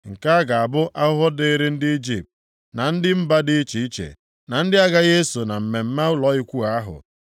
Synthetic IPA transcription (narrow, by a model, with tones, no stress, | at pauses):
ŋ̩˨ka˦a˦ɡa˨a˨bʊ˦ʔa˦ʊ˦ɦɔ˦de˦ɾɪ˦n̩˦dɪ˦i˦d͡ʒi˨p̚t | na˨n̩˦dɪ˦m̩˦ba˦dɪ˦i˦t͡ʃi˨i˦t͡ʃḛ˨ | na˨n̩˦dɪ˦a˦ɡa˦je˦su˨na˨m̩˨me˨m̩˦ma˦ʊ˦lɔ˨i˦kʷu˦a˦a˦ɦʊ̰˨